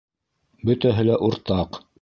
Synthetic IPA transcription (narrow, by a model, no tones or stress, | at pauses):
bɵ̆t̪æɦɘlæʔuɾt̪ɑq